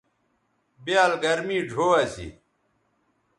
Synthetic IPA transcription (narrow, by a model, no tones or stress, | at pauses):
bjaːlɡɐɾmiːɖʱoːɐsḭ